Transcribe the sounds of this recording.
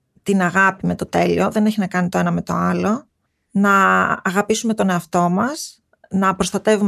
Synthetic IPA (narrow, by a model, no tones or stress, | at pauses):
t̪inɐɣɐpime̞t̪o̞t̪e̞lḭo̞ðe̞ne̞çinɐkɐnit̪o̞enɐme̞t̪o̞̰ɐlo̞ | nɐːɣɐpisume̞t̪o̞ne̞ɐft̪o̞mɐs | nɐpɾo̞st̪ɐt̪e̞vu